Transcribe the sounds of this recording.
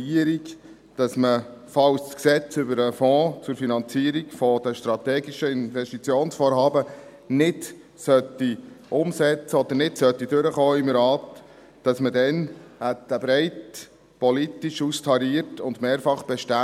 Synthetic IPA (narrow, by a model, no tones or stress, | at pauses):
iəɾik | d̥ɑsmə | fɑwssksɛt͡sʏbəɾəfɔ̃ːt͡sʊɾfinɑnt͡siəɾikfɔd̥̪əʃtɾɑt̪ɛːɡiʃəɪnvɛʃtit͡sjoːnsfɔːɾɦɑːbə | nɪd | sœtːiʔʊmsɛt͡səɔd̪əɾnɪtsœt̪ːidʏɾəχoːɪmɾɑːtː | ɑsmədɛnætəbɾɛɪt | pɔlit̪iʃustʰɑɾiːəɾtʊnd̪meːɾfɑχb̥ɛʃtæ